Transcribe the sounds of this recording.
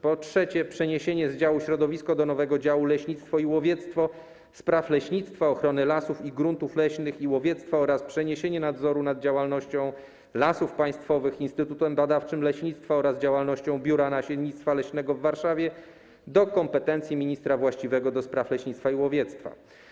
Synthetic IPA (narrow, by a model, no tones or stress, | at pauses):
pɔtʂɛt͡ɕɛpʂɛɲeɕeɲɛzd͡ʑawuɕɾɔd̪ɔvʲiskɔd̪ɔnɔvɛɡɔd͡ʑawulɛɕɲit̪st̪fɔiwɔvʲjɛt̪st̪fɔ | spɾaflɛɕɲit̪st̪faɔxɾɔnɘlasufiɡɾunt̪uflɛɕnɘxiwɔvʲjɛt̪st̪faɔɾaspʂɛɲeɕeɲɛnad̪zɔɾunad̪̚d͡ʑawalnɔɕt͡ɕɔ̃w̃ | lasufpaj̃st̪fɔvɘxinst̪ɘt̪ut̪ɛmbad̪aft͡ʂɘmlɛɕɲit̪st̪faɔɾazd͡ʑawalnɔɕt͡ɕɔ̃w̃bʲjuɾanaɕɛd̪ɲit̪st̪falɛɕnɛɡɔvːaɾʂavʲjɛ | d̪ɔkɔmpɛt̪ɛnt̪sʲjimʲiɲist̪ɾavwaɕt͡ɕivɛɡɔd̪ɔspɾaflɛɕɲit̪t̪faiwɔvʲjɛt̪st̪fa̰